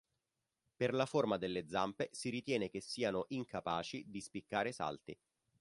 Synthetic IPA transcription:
perlaformad̪elːed̪zːampesiɾit̪jɛːnek̟esːiːanoʔiŋkapaːt͡ʃid̪ispikːaːɾesa̰lt̪ḭ

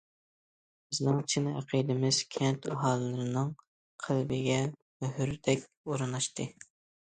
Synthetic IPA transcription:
b̥ɪznɪŋt͡ʃʰɪnæ̰qʰijd̪ɪmɪz̥kʲʰɛnt̪ʰɑɦɑːlˠɨːɨɾɨnɨŋ | qʰælbɪɡʲɛmøɦyɾd̪ɛkʲ | oɾɨnɑʃt̪ʰɨ

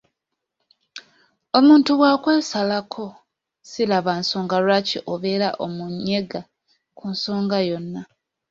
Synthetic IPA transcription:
o̞muːntuβwaːkweːsalakʰo̞ | silaβansoːŋɡalwaːciʔoβe̞ɾaʔomuɲːe̞ɡa | kʰunso̞ːŋɡajo̞nːa

